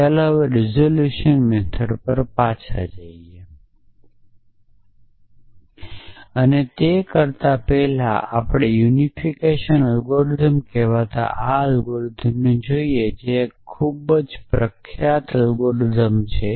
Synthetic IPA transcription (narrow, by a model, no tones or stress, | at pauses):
ələʋɾizoljuʃənmɛt̪ʰəɽpəɾpat͡ʃʰa̰d͡ʒaie | ənet̪ekəɾt̪apɛɦla̰apɽ̃ejunifʰikeʃənəlɡoɾd̪əmkɛʋat̪a̰ʔaəlɡoɽd̪ʱəmned͡ʒoied͡ʒekʰubəd͡ʒpɾəkʰjat̪əlɡoɽd̪ʱəmt͡ʃʰe